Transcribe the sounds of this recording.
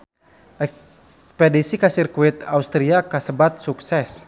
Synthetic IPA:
ʔɛkspɛdisikasirkuit̪aust̪ɾiakasəbat̪̚suksɛs

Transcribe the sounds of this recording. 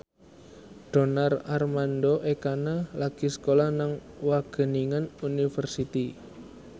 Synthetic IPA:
ɖ̥o̤nararmandoʔekanalaɡ̥isə̥kolahnaŋ | waɡ̥ə̤niŋanunifərsit̪i

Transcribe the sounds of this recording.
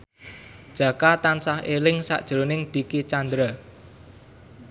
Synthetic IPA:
d̥ʒ̥ä̤kat̪ansahelɪŋsa̰ʔd̥ʒ̥əɾonɪŋd̪̥i̤kit͡ʃand̪ɾa

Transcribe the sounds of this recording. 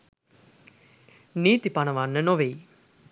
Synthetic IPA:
niːt̪ipanəʋanːənoʋej

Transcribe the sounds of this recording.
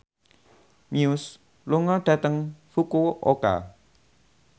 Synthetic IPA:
mjus | luŋɔɖ̥a̤t̪əŋfukuʔo̰ka̰

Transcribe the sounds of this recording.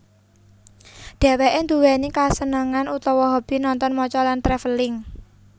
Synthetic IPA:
d̪̥ɛ̤wɛʔend̪uwɛnikasənəŋanut̪ɔwɔɦɔb̥i̤nɔnt̪ɔnmɔt͡ʃɔlant̪ɾɛfəlɪŋ

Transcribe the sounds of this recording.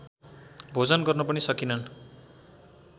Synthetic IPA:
bʱod͡zʌnɡʌrnʌpʌnisʌkinʌn

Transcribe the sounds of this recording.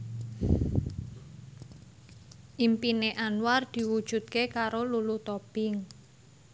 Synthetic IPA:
ʔimpineʔanward̪̥i̤wud̥ʒ̥ṳt̪̚kekaɾolulut̪ɔb̥ɪŋ

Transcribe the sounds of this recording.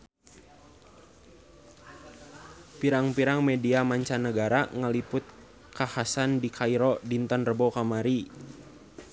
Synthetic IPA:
piɾaŋpiɾaŋmɛdiamaɲt͡ʃanəɡaɾaŋəlipʊt̪̚ | kahasandikʰaiɾɔdint̪ɔnrəbɔkamaɾi

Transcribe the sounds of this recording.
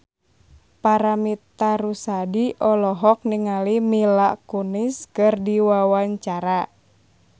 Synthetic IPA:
paɾamit̪aɾusadiʔɔlɔɦɔk̚niŋalimilakuniskɨrdiwawaɲt͡ʃaɾa

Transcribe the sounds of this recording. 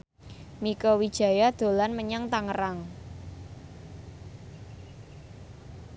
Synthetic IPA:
mikɔwid̥ʒ̥ä̤jad̪̥o̤lanməɲaŋt̪aŋəɾaŋ

